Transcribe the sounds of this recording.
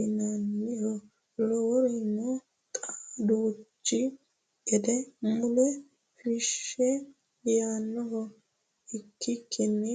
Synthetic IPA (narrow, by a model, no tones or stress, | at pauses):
ɪnɐnːɪhɔ | lɔwɔɾɪnːɔ | kʼad̪ut͡ʃːɪ | ɛd̪ɛmʊlɛ | fɪʃɛ | jaːnːɔɦɔ | ɪkːɪkʰːɪnːɛ